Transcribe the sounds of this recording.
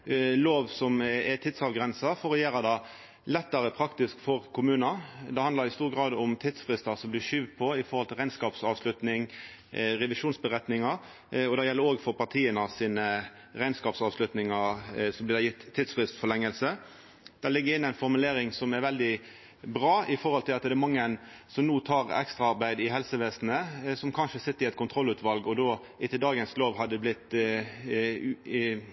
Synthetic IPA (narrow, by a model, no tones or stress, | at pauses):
loːʋsɔmɛt̪ʰid̪sɑʋɡɾɛnsɑfɔɾɔjeːɾɑd̪ɑ | lɛt̪ːəɾəpʰɾɑkt̪ɪskfɔɾkʰʊmʉːnɑd̪ɛhɑnd̪lɑɾɪst̪uːɾɡɾɑːd̪ʊmt̪ʰiːd̪sfʁɪst̪ɑsɔmblɪʃyːʋpʰɔɪfɔɾhɔlt̪ʰɪlʁæɪnskɑːpsɑːʋslʉt̪nɪŋ | ɾɛʋɪʃuːnsbəɾɛt̪nɪŋɑɾ | ɔd̪ɛjɛlːəɾoːɡfɔɾpɑʁt̪ʰiːənəsiːnə | ɾæɪnskɑːpsɑːʋslʉt̪nɪŋɑɾsɔblɪːd̪æɪjɪt̪ʰːiːd̪sfʁɪst̪fɔlɛŋːəlsə | d̪̥ɛlɪɡːəɾɪnːæɪnfɔɾmʉleːɾɪŋsɔmɛɾʋɛld̪ɪ | bʁɑːɪfɔʁhɔlt̪ʰɪlɑt̪d̪ɛɛmɑŋːəən | sɔmnuːt̪ʰɑːʁɛ̰kst̪ɾɑɑʁbæɪd̪ɪɦɛlsəʋeːsnəsɔmkʰɑnʃəsɪt̪ːəɾɪɛt̪̚kʰʊnt̪ʰɾɔlːʉːt̪ʰʋɑlɡɔd̪oː | ʔɪt̪ːəd̪ɑːɡənsloːʋhɑd̪ːəblɪt̪ː